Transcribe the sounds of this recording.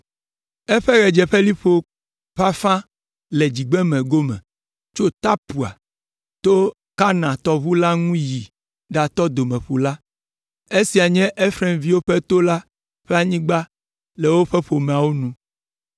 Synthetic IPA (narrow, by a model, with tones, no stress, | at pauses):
ɛ˦ɸɛ˦ɣɛ˨d͡ʒɛ˨ɸɛ˦li˦ɸo˦ | ɸa˦fã˦ | lɛ˨d͡ʑi˨ɡ͡bɛ˦mɛ̃˨ɡo˦mɛ̰̃˨ | t͡ʃo˦t̪a˦pu˨a̰˨ | t̪o˦ | ka˦nã˨t̪ɔ˦βu˦la˦ŋũ˦ji˨ | ɖa˨t̪ɔ˦d̪o˨mɛ̃˨ɸu˨la˦ | e˦si˨a˨ɲɛ̃˦ʔe˦fɾɛ˦mvi˦wo˦ɸɛ˦t̪o˦la˦ | ɸɛ˦a˨ɲĩ˦ɡ͡ba˦ | lɛ˨wo˦ɸɛ˦ɸo˨mɛ̃˨a˨wo˦nũ˦